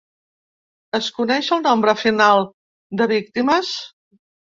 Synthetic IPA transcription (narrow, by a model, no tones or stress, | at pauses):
əskunɛʃəlˠnombɾəfinalˠ | d̪əβik̚t̪iməs